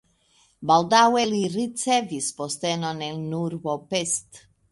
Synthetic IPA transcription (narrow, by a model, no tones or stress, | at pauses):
balˠd̪awɛliɾit̪sɛvispɔst̪ɛnɔnɛnuɾvɔpest̪